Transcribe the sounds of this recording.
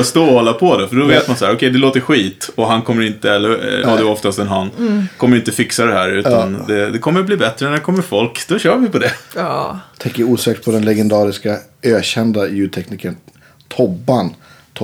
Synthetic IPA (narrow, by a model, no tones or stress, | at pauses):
st̪oːhɔlːapʰɔd̪ɛfœɖɔveːt̪mansahæːɾɔkʰɛjd̪ɛloːt̪əɾɧiːt̪ɔɦankʰɔmːəɾɪnt̪əɛlːəɾa̰d̪ɛɔft̪ast̪ɛnɦankʰɔmːəɾɪnt̪əfɪksad̪ɛɦæːɾʉ̟ːt̪and̪ɛd̪ɛkʰɔmːəɾbliːbɛt̪ɾənæd̪ɛkʰɔmːəɾfɔlkd̪̥ɔɕœːɾvɪpɔd̪ɛ | t̪ʰɛŋkəɾuːsɛːkt̪pʰɔd̪ɛnlɛɡɛnd̪ɑːɾɪska | øːɕɛnd̪ajʉ̟ːd̪̚t̪ʰɛkniːkən | t̪ʰɔbːant̪ʰ